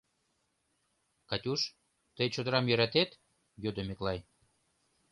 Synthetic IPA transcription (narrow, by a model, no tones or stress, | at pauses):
kɑt̪ʲuʃ | t̪əjt͡ɕod̪əɾɑmjø̆ɾæt̪et̪ | jød̪əmeklɑj